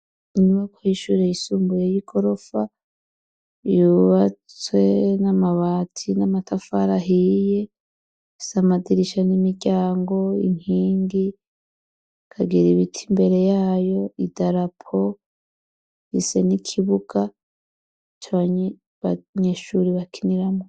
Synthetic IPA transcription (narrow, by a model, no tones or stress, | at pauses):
ɲuβakʰoiʃuɾeisuːmbujejikʰo̞ɾo̞fa | juβat͡swe̞namaβaːtʰinamatʰafaɾaɦije̞ | samadiɾiʃanimiɟaːŋɡo̞ḭŋ̥iːŋɡi | kʰaɡiɾiβitʰimbe̞ɾe̞jaːjo̞idaɾapʰo̞ | ise̞nikʰiβuɡa | t͡ʃaβaɲ | βaɲe̞ʃuɾiβakʰiniɾamo